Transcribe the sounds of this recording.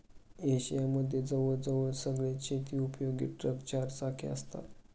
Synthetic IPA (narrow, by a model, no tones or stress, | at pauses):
eɕijaməd̪ʱːjed͡zəʋəɭd͡zəʋəɭsəɡɭat͡ɕet̪iːupjoɡḭʈɾəkt͡ɕaɾsakʰiə̰st̪a̰t̪